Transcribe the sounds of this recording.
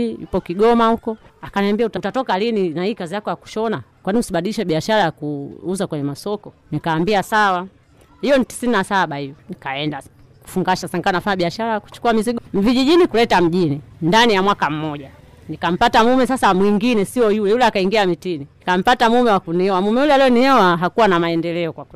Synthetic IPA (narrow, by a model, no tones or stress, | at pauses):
jṵpɔkiɡɔmahukɔakanambiautautatɔkalininahiːkazijakɔjaku̥ʃɔnakwaniusiɓaɗiliʃɛɓiaʃaɾajakuuzakwɛɲɛmasɔkɔnikaːmbiasawa | hijɔnti̥sininasaɓaijɔnikaɛnda | ku̥fuŋɡaʃasaŋkanafaɲaɓiaʃaɾajaku̥t͡ʃu̥kuamiziɡviʄiʄinikulɛtam̩ʄinindanijamwakam̩mɔʄa | nikam̩patamumɛsasamwiŋɡinɛsiɔjulɛjulɛakaiŋɡiamitininikam̩patamumɛwakunihɛwamumɛulɛalɛɔniɛwaɦakuwanamaɛndɛlɛɔkwakwɛ